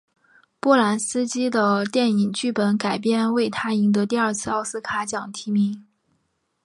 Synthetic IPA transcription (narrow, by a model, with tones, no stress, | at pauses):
pɔ˥˩la˧˥nsɹ̩˥t͡ɕi˥d̪ə˨t̪jɛ˥˩ni˨˩ŋt͡ɕy˥˩pə˧˥nka˨˩ɪpjɛ˥˧nwe˥˩ɪt̪ʰa˥i˧˥ŋt̪ɤ˧˥t̪i˥˧ɐ˞˥˧t͡sʰɹ̩˥˧ɑ˥˧ʊsɹ̩˥kʰa˨˧˥t͡ɕjɑ˨˩ŋt̪ʰi˧˥mi˧˥ŋ